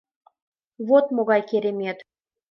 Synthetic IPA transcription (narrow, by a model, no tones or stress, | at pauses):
βot̪moɣɑjkeɾʲemʲet̪